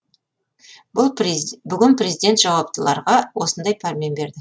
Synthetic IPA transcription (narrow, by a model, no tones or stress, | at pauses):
bʊlˠbʏɡʲɪnprʲe̞zijd̪e̞nt̪ʒ̥ɑwɑpt̪əlˠɑ̰ɾʁɑwo̞sənd̪ɑjpʰaɾmʲenbe̞ɾd̪ɪ